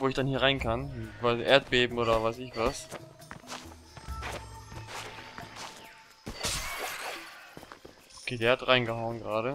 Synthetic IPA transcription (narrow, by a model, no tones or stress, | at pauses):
voːɪçd̥anhiːɐʁaɪnkʰanvaʔeːɐt̚b̥eːbm̩ʔoːɾɐvaɪsɪçv̥as | ʔokʰeːdeːɐhatʁaɪnɡəhaʊənɡʁaːɾə